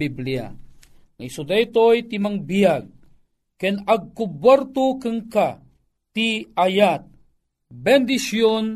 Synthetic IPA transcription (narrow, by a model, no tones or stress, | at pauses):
iblia̰ | ŋajsud̪ajt̪ojt̪imaŋbijaɡ̚ | kənaɡ̚kubwaɾt̪ukəŋka | t̪iajat̪̚ | bɛnd̪isjon